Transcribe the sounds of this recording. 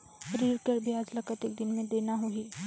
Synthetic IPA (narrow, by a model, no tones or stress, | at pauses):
ʃəɾiːɾkəɾbʱiaːd͡ʒlɐkət̪ɪk̚d̪ɪnmẽd̪eːnaɦuiː